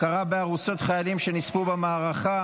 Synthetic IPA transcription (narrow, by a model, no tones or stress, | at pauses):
kaʁabeaʁuso̞tχajalimʃe̞nispubemaːʁaχa